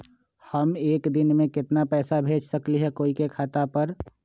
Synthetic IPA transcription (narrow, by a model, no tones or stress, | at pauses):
həmeːkd̪ɪnmẽkɪt̪napɛːsabʱeːd͡ʒsəkliɦɛkoːikekʰaːt̪apəɾ